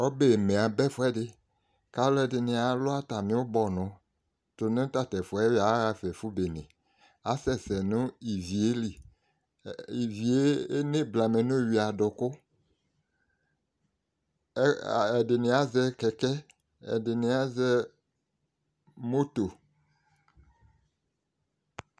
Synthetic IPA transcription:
o˦be˨mẽ˨a˨bɛ˦fʊ˦ɛ˦dɪ˦ | ka˦lɔ˦ɛ˨dɪ˨nẽ˨a˨lʊ˦a˦t̪a˨mĩ˦wo˦bɔ˨nʊ̃˨˦ | tʊ˨nẽ˦t̪a˦t̪ɛ˨fɔ˨ɛ˦wa˨˦ɣa˦fɛ˨fu˦be˨nḛ̃˨ | a˨˦sɛ˦sɛ˨nũ˦i˨vi˨e˦li˨ | i˨vi˨e˦e˦nẽ˦bla˨me˨nʊ̃˦˨wi˨a˨ɖʊ˨kʊ˦˨ | ɛ˨de˨nẽ˨a˦zɛ˦kɛ˨kɛ˦ | ɛ̰˨de˨nẽ˨˦a˦zɛ˦ | mo˦t̪o˨

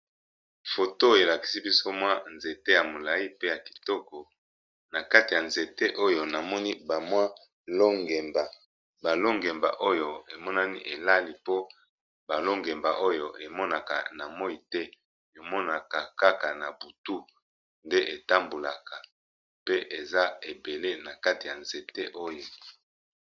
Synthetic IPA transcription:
fo˨to˦e˨la˨ki̥˨si˦bi˦so˦mwa˦nze˨te˦ja˨mo˨la˨i˦pe˦ja˨ki̥˨tɔ˦kɔ˨ | na˨ka˦ti˨ja˨nze˨te˦ʔo˦jo˨na˨mɔ˦ni˦ba˨mwa˦ | lo˦ŋɡe˨mba˨ | ba˨lo˦ŋɡe˨mba̰˨ʔo˦jo˨e˨mɔ˦na˦ni˦ʔe˨la˦li˨po˦ | ba˨lo˦ŋɡe˨mba˨ʔo˦jo˨ʔe˨mɔ˦na˨ka̰˨na˨mɔ˦i˨tɛ˦˨ | o˨mɔ˦na˨ka˨ka˦ka˨na˨bu˨tu˦ | nde˦ʔe˨ta˦mbo˨la˨kʰa˨ | pe˦ʔe˨za˦e˨be˨le˦na˨ka˦ti˨ja˨nze˨te˦ʔo˦jo˨

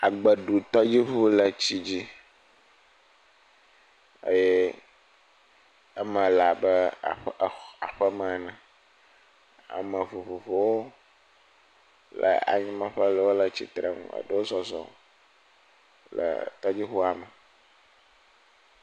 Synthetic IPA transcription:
a˨ɡ͡bə˨ɖu˨t̪ɔ˦d͡ʑi˦ɸu˦lə˨t͡ɕi˦d͡ʑi˦ | ə̰˦jɛ˦ | ə˦mə̃˨la˨bə˦˨ɸxa˨ɸə˦mə̃˨nã˨ | a̰˨mə̃˨vu˨ɸu˨ɸo˨wo˦ | lə̰˨a̰˨ɲĩ˦mə̃˨ɸə˦lə˨wo˦lə˨t͡ɕḭ˦t̪ɾe˨ŋṵ̃˦ə̰˨ɖə˦wo˦zɔ˨zɔ̰˨ | lə̰˨t̪ɔ˦d͡ʑi˦ɸu˦a˨mə˨

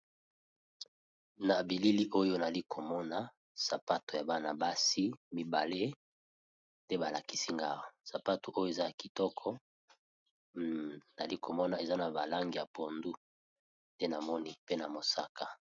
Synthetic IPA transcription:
na˨bi˨li˦li˦ʔo˦jo˦n˨a˨li˦kʰo˨mɔ˦na˦ | sa˨pa˦to˨ja˨ba˦na˨ba˦si˦mi˨ba˨le˦ | nde˦ba˨la˨ki̥˦si˦ŋɡa˦ʁo˨sa˨pa˦to˨ʔo˦jo˦e˨za˦a˨ki˨tɔ˦kʰɔ˦ | na˨li˦kʰo˨mɔ˦na˨e˨za˦na˨ba˨la˦ŋɡi˨ja˨po˨ndu˦ | nde˦na˨mɔ˦ni˦pe˦na˨mo˨sa˦ka˦˨

